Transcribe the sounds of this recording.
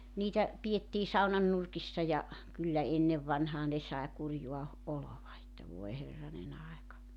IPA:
niːtæ pietːiː sɑunɑn nurkisːɑ jɑ kylːæ enːeʋ ʋɑnhɑː ne sɑe kurjuɑ oloʋɑ etːæ ʋoe herːɑnen ɑekɑ

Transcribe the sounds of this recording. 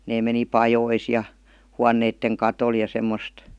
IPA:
neː meni pɑjois jɑ huɑnːeitːeŋ kɑtol jɑ semːost

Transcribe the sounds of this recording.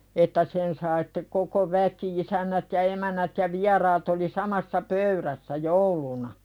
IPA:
etːæ sen sɑi sĭ̥tːe koko ʋæki isænːæt jɑ emænːæt jɑ ʋiɛrɑːt oli sɑmɑsːɑ pøyɾæsːæ joulunɑ

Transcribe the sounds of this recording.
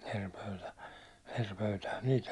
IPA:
er pøytæ er pøytæhæn niːl

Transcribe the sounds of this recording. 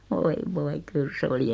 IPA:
ʋoi ʋoi kyl se oli

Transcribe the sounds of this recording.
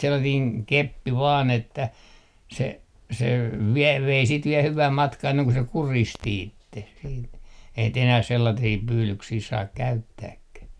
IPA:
selːɑtiːŋ kepːi ʋɑːn etːæ se se ʋiɛl ʋei siːt ʋiɛ hyʋæm mɑtkɑː enːeŋ ku se kuristi itːeh siːt eihæn t enæh selːɑtiː pyːlyksiː sɑːk kæytːæːkːæh

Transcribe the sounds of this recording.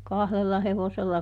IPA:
kɑhlelːɑ heʋoselːɑ

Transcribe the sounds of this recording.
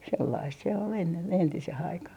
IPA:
selːɑist se ol enːen entiseh ɑikɑh

